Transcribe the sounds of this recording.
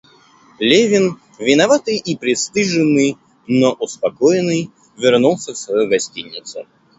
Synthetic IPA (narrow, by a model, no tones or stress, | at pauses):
lʲevʲɪn | vʲɪnɐvat̪ɨjʔipɾʲɪst̪ɨʐɨnːɨj | noʔʊspɐkojɪnːɨj | vʲɪrnulˠsʲəfsvɐjojɡɐsʲtʲinʲːɪ̰t̪sʊ